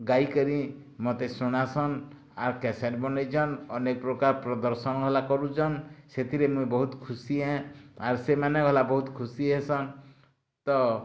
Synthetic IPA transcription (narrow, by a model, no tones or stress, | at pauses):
ɡajkɔɾi | mɔt̪esɔɽ̃asɔn | aɾkɛseʈ̚bɔnajd͡ʒʰɔnɔnek̚pɾɔkaɾpɾɔd̪ɔɾsɔnɔɡʱɔlakɔɾut͡ʃʰɔnset̪ʰiɾemũjbɔɦut̪kʰusiẽaɾsemaneɡʱɔlabɔɦut̪kʰusiɦesɔn | t̪ɔ